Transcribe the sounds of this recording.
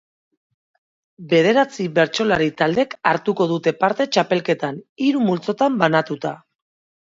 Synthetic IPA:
be̞ð̞e̞ɾat͡siβe̞ɾt͡ʃo̞laɾit̪ald̪e̞kaɾt̪uko̞ð̞ut̪e̞paɾt̪e̞t͡ʃape̞lke̞t̪aniɾumult͡so̞t̪ambanat̪ut̪a

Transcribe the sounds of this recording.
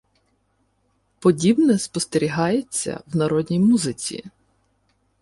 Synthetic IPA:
pɔdʲibnɛspɔst̪eɾʲiɦɑjet͡sʲːɐ̰wnɐɾɔd̪ʲnʲijmuzɪt͡sʲḭ

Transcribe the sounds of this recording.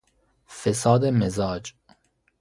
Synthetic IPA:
fesɒːd̪emezɒːd͡ʒ

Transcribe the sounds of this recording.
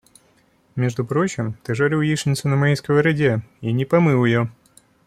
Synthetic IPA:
mʲeʐd̪ʊpɾo̞t͡ɕɪmt̪ɨʐɐɾʲijiʂnʲɪt̪sʊnɐmɐijskəvəɾɐdʲeinʲɪpɐmɨlˠɪjo

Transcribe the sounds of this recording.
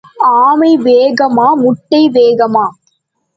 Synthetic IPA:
aːmɐɪʋeːɣɐmaːmʊʈːɐɪʋeːɣɐmaː

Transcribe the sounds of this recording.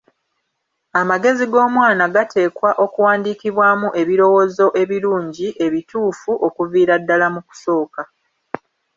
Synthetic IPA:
amaɡe̞ziɡo̞ːmwaːnaɡatʰe̞ːkwaʔo̞kuwaːndiːkiβwaːmuʔe̞βiɾo̞wo̞zo̞ʔe̞βiɾuːɲɟiʔe̞βituːfuʔo̞kuviːɾadːalamuku̥so̞ːka

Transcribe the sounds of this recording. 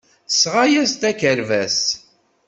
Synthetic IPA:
sʁajæst̪ækəɾvæs

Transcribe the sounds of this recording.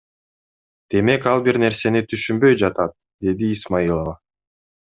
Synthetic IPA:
d̪̥e̞me̞kɑlˠbiɾne̞ɾse̞nit̪ʰyʃymbø̞jd͡ʒɑt̪ɑt̪̚ | d̪̥e̞d̪iːsmailˠəva

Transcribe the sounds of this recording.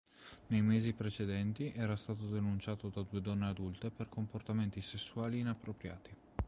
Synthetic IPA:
nejmeːzipɾet͡ʃed̪ɛnt̪iʔɛːɾast̪aːt̪od̪enunt͡ʃaːt̪od̪ad̪uːed̪ɔnːead̪ult̪eperkomport̪ament̪isesːuaːliːnapːɾopɾja̰ːt̪i

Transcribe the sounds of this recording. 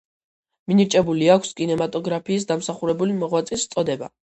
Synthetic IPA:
miniɾt͡ʃʼɛbuliakʷʰskʼinɛmat̪ʼɔɡɾapʰiːs̬d̪amsaχuɾɛbulimɔʁwat̪sʼist̪sʼɔd̪ɛba̰

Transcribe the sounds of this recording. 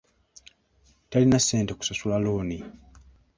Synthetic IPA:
talinase̞ːnteku̥sasulaloːni

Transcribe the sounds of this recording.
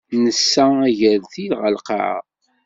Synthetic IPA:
nəsːææʝəɾθilʁəlqɑ̰ʕə̰ð

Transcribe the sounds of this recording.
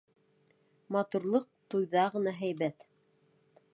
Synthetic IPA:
mɑt̪uɾlˠɤq̚t̪ujðɑʁɤ̆nɑɦæjβæt̪

